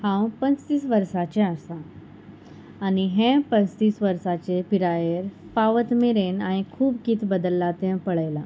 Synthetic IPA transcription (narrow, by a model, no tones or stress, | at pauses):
hãwpənt͡st̪iːsʋəɾsat͡ɕẽasa | niɦẽpənt͡st̪iːsʋəɾsat͡ɕepiɾajeɾpaʋət̪meɾenaɽ̃ikʰuːbkit̪ʰbəd̪əlːat̪ɛ̃pəɭəjla